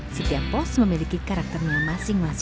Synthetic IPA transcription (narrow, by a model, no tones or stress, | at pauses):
sit̪iapɔsməmilikikaɾak̚t̪ərɲamasɪŋmas